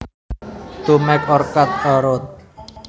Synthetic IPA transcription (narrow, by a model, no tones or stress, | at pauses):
t̪umɛkɔrkat̪̚ɔɾɔt̪̚